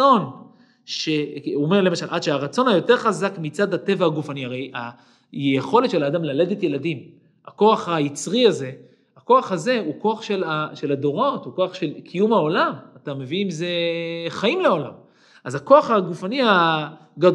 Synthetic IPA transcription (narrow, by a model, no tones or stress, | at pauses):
on | ʃe̞ome̞ʁle̞maʃalʔadʃeaʁat͡so̞najo̞te̞ʁχazakmit͡sadate̞vahaɡufaniaʁe̞ja | jejeχo̞letʃe̞laːd̪amlale̞detje̞ladim | ako̞aχajit͡sʁiaze̞ | ako̞aχhaze̞uko̞aχʃelaʃe̞lado̞ʁo̞tuko̞aχʃe̞lkʰijumao̞lamatame̞vinimze̞χaimleo̞lam | ʔazako̞aχaɡufania | ɡad